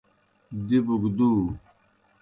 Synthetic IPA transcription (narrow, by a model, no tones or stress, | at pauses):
d̪ibuɡd̪uː